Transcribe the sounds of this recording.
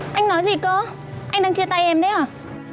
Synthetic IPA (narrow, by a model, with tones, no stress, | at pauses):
ʔa˧jŋ̟nɔ˨˦jzi˨˩ko˧ | ʔa˧ŋɗaː˧ŋt͡ɕɨ˧ət̪a˧jʔɛ˧˩mɗə˨˦jʔaː˨˩